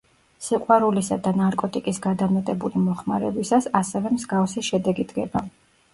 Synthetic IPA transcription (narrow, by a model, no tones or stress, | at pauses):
siqʼwaɾulisad̪anaɾkʼɔt̪ʼikʼisɡad̪amɛt̪ʼɛbulimɔχma̰ɾɛbisasasɛvɛmzɡafsiʃɛd̪ɛɡid̪ɡɛba